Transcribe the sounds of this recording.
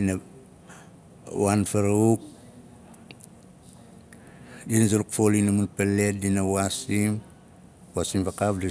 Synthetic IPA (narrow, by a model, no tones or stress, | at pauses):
ina | wanfaɾauk̚ | dinazaluk̚folinamunpelet̚dinawasim | wasimfakafdi